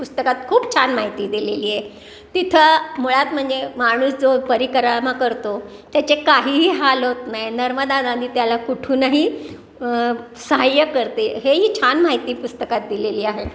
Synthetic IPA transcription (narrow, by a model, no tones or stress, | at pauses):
pust̪əkat̪kʰuːpt͡ɕʰanmaɦit̪iːd̪ileliːe | t̪it̪ʰəmuɭat̪m̤əɳd͡zemaɽ̃uːsd͡zopəɾikɾəmakəɾt̪o | t̪jat͡ɕekaɦiːɦiɦalot̪najnəɾməd̪anad̪ʱiːt̪jalakuʈʰuːnəɦi | səɦajəkəɾt̪eɦeɦiːt͡ɕʰanmaɦit̪iːpust̪əkat̪̚d̪ileliːaɦe